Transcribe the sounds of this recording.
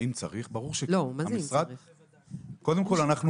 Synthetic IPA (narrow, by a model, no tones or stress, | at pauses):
int͡sa̰ʁiχbaʁuʁʃelomamisʁad̪ | ko̞d̪emko̞lanaχnu